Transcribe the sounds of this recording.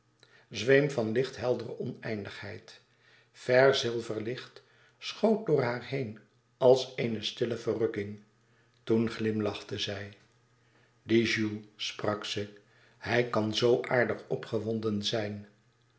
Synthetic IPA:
zʋejmvɑnlɪχtɦɛlˠdərəʔɔnɛjndəχhɛjt | fɛɹzɪlˠvəɹlɪχt | sχowt̚dʊːɹɦaːɹɦejn | ɑlˠsejnəstɪləvərɵkɪŋ | tunχlɪmlɑχtəzɛj | diʒulˠsprɑksə | hɛjkɑnzowʔaːɹdəχɔpχəʋɔndənzɛjn

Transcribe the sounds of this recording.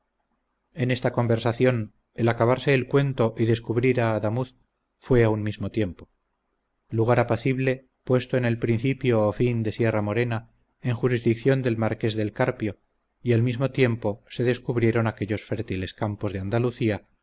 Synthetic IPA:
e̞ne̞st̪ako̞mbe̞ɾsaθjo̞n | elakaβaɾse̞ːlkwe̞nt̪o̞ʔiðe̞skuβɾiɾaːðamuθ | fwe̞aunmizmo̞t̪je̞mpo̞ | luɣ̞aɾapaθiβle̞ | pwe̞st̪oene̞lpɾinθipjoːfind̪e̞sje̞ramo̞ɾe̞na | e̞ŋxuɾizðik̚θjo̞nd̪e̞lmaɾke̞zðe̞lkaɾpjo̞ | ialmizmo̞t̪je̞mpo̞se̞ðe̞skuβ̞ɾje̞ɾo̞nake̞ʎo̞sfe̞ɾt̪ile̞skampo̞zðeand̪aluθia

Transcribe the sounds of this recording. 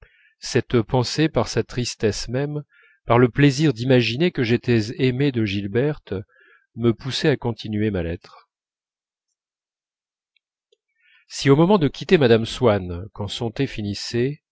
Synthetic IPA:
sɛt̪pɑ̃sepaʁsat̪χist̪ɛsmɛm | paʁləpleziʁd̪imaʒinekəʒet̪ɛzemed̪əʒilbɛʁt̪ | məpusɛakɔ̃t̪ʰinɥemalɛt̪χ | siomɔmɑ̃d̪əkʲit̪emad̪amswankɑ̃sɔ̃t̪efinise

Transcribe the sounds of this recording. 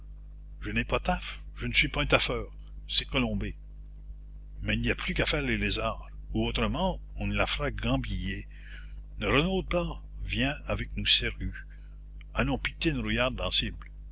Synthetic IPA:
ʒənɛpat̪af | ʒ̥ənəsɥipaɛ̃t̪afœːʁ | sɛkɔlɔ̃be | mɛilniapʰlykafɛːʁlelezaːʁ | uot̪ɾəmɑ̃ɔ̃nəlafəɾaɡɑ̃bije | nəɾənod̪̚pa | vjɛ̃avɛk̚nuseʁy | alɔ̃pik̚t̪enɾujaʁd̪ɑ̃sibl

